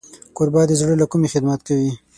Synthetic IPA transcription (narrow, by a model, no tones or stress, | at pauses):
koɾbɑd̪əzɽəlakʊmexɪd̪mat̪kawi